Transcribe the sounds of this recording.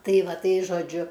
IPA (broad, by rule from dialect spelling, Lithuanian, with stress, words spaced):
ˈtɐɪ ˈʋɐ ˈtɐɪ ʒoːˈd͡ʒʲʊ